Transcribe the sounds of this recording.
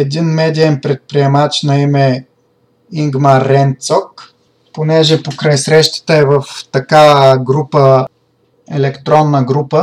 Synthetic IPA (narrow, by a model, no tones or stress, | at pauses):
ɛd̪inmɛd̪iɛnpɾɛt̪̚pɾiɛmat͡ʃnɐimɛ | iŋɡmaɾːɛnt̪sɔk | ponɛʒɛpokɾajsɾɛʃt̪ə̥t̪əɛvəft̪ɐkaəɡɾupə | ɛ̰lɛkt̪ɾɔnːəɡɾupə